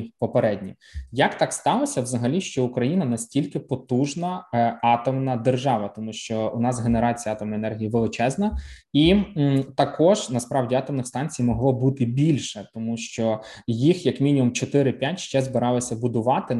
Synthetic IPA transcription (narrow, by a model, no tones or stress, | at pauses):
pɔpeɾɛdʲnʲḭ | jɐkt̪ɑkst̪ɑlˠɔsʲɐwzɐɦɐlʲiʃt͡ʃɔʊkɾɐjinɐnɐsʲtʲilʲkɪpɔt̪uʒnɐɑt̪ɔmnɐd̪erʒɑʋɐt̪ɔmuʃt͡ʃɔʊnɑsɦeneɾɑt͡sʲijɐɑt̪ɔmnɔjɛnɛrɦʲijiʋɪlˠɪt͡ʃɛznɐ | it̪ɐkɔʒ̥nɐspɾɑwdʲiɑt̪ɔmnɪxst̪ɑnʲt͡sʲijmɔɦlˠɔbut̪ɪbʲilʲʃɛt̪ɔmuʃt͡ʃɔjixjɐkmʲinʲimʊmt͡ʃɔt̪ɪɾɪpʲjatʲʃt͡ʃɛzbɪɾɑlˠɐsʲɐbʊd̪ʊʋɑt̪ɪ